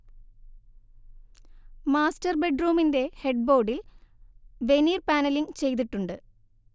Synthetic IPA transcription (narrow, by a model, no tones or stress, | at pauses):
maːstɐrbeɖruːminde̞he̞ɖ̚bo̞ːɖil | ʋe̞niːrpaːnɐliŋt͡ɕe̞jt̪̬iʈːuɳɖɨ